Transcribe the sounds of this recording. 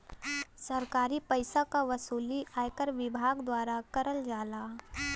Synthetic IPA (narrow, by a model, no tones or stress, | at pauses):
sɐɾkaːɾipəɪsakaʋɐsuːliʔaːjkəɾʋɪbʱaːɡd̪waːɾakɐɾəld͡ʒaːlaː